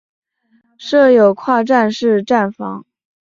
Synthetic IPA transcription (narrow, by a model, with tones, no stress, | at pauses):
ʂɤ˥˩jo˨˩ʊkʰwa˥˧ʈ͡ʂa˥˧nʂɻ̩˥˧ʈ͡ʂa˥˩nfɑ̰˧˥ŋ